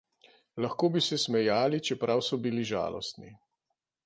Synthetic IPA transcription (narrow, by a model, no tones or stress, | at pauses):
laxkoːbisɛsmɛjaːlit͡ʃɛpɾawsɔbiliʒa̰ːlɔ̰st̪ni